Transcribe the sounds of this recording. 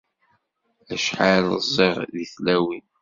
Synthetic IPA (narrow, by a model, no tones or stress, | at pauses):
æʃħalə̰zˤːeʁðiθlæwin